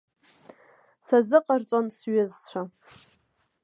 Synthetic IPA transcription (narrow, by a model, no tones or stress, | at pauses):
sazɨqʼart͡sʷʼansɥɪzt͡ɕʷʰa